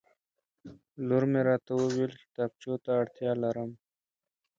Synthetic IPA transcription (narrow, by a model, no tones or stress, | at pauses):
luɾmeɾaːt̪ɐwowilki̥t̪aːb̚t͡ɕoːt̪aːɽt̪jaːlɐɾɐm